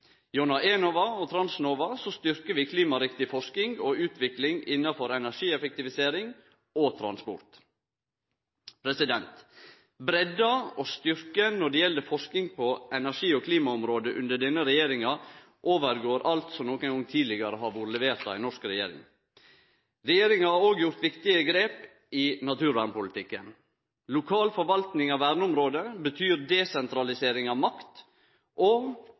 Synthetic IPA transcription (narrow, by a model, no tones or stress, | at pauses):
jɔnɑʔeːnɔʋɑɔt̪ʰɾɑnsnoːʋɑsɔst̪ʏɾkəɾʋɪːkʰliːmɑɾɪkt̪ɪfɔʂkɪŋoʉːt̪ʋɪklɪŋɪnːɑfɔɾɛnæʂiːɛfɛk̚t̪ɪʋɪseːɾɪŋ | ot̪ʰɾɑ̰nspɔ̰ɾt̪ | pʰɾɛsɪd̪ɛnt̪ | bɾɛd̪ɑost̪ʏɾkənɔɖɛjɛlːəfɔʂkɪŋpʰɔɛnæʂiːɔkʰliːmɑɔmɾoːd̪əʔʉ̰nd̪əɖɛnːəɾɛjeːɾɪŋɑ | ʔoːʋəɾɡoːɾʔɑlt̪sɔmnɔːkəŋɡɔŋt̪ʰiːd̪lɪɡɑɾəɦɑɾʋuːɾəlɛʋeːɾt̪ɑ̰ʋɛɪnɔʂkɾɛjḛːɾɪ̰ŋ | ɾɛjeːɾɪŋɑhɑɾoːɡjʊɾt̪ʋɪkt̪ɪəɡɾeːp | ɪnɑt̪ʰʉːɾʋæːɾɳpʊlɪt̪ɪkːən | lʊkʰɑːlfɔɾʋɑlt̪nɪŋɑʋæːɾɳəɔmɾoːd̪əbət̪ʰyːɾd̪ɛsɛnt̪ɾɑlɪseːɾɪŋɑʋmɑkt̪ | ʔɔ